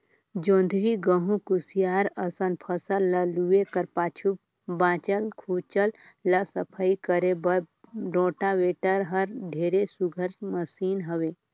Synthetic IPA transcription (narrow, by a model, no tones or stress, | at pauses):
d͡ʒõːnd̪ʱɾiɡəɦũkusijaːɾəsənpʰəsəlːəluekəɾpaːt͡ʃʰu | bãːt͡ʃəlkʰuːt͡ʃəl | ləsəpʰəikəɾebəɖõːʈaʋeːʈəɾɦəɾd̪ʱeːɾesuɡʱəɾməsiːnɦəʋe